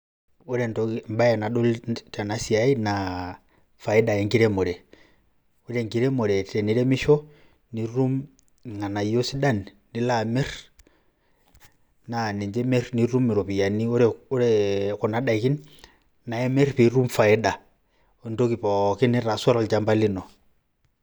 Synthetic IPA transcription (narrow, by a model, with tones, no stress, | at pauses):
u˦ɾɛntɔ˨mba˦jɛ˨na˨ɗɔ˦lta˨na˦si˨a˦i˦na | fa˨ɛ˦da˨jɛ˨ŋɡi˦ɾɛ˦mɔ˨ɾɛ˨ | u˦ɾɛ˨ŋɡi˦ɾɛ˦mɔ˨ɾɛ˨tɛ˨ni˨ɾɛ˦mi˦ʃɔ˦ | ni˨ɾu˦m | ŋa˨na˨i˦ɔ˦si˦da˦nː | i˨la˨mɛ˦r | na˨nɛ˨ɲd͡ʒɛ˦mɛ˦rni˨˦ɾu˦mi˨ɾɔ˨pi˨ja˨ni˦ɔ˦ɾɛɔ˦ɾɛkɔ˨na˨ɗa˨ki˦n | na˨ɛ˦mɛ˦rpi˨˦ɾu˦mfa˨ɛ˦ɗa˨ | ɔ˨ndɔ˦ki˨pɔ˨ki˦nɛ˦ɾa˨sɔ˦ɾa˦lt͡ʃa˦mba˦li˦nɔ˨